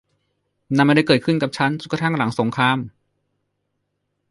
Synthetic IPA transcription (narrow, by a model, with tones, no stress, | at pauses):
na˧mːa˧da˥˩jkɤː˨˩kʰɯ˥˩nka˨˩p̚t͡ɕʰa˦˥nsu˨˩kːa˧t̪ʰa˥˩ŋla˩˦ŋso˩˦ŋkʰɾaː˧˥˨m